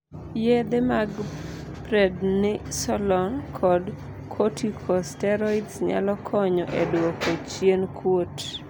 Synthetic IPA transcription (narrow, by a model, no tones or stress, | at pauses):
jed̪ɛmaɡ | pɾɛdnɪsɔlɔnkʰɔd | kʰotʰikʰɔstɛɾɔitsɲa̰lɔkʰɔɲɔʔedwokot͡ʃjenkʰwot